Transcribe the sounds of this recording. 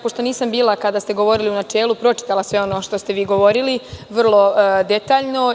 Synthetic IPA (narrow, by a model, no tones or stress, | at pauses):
poʂt̪o̞niːsambiːlˠakad̪ast̪e̞ɡo̞ʋo̞ɾiliunat͡ʃeːlˠupɾo̞t͡ʃi̥t̪alasʋe̞o̞noʃt̪o̞st̪e̞ʋiːɡo̞ʋo̞ɾiliʋr̩lˠo̞d̪et̪aːʎno̞